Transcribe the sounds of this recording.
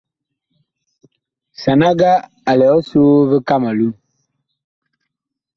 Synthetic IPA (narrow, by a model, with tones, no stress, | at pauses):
sa˨na˦ɡa˦ | a˨lɛ˨ɔ˦so˦bə˦ka˦ma˨lu˦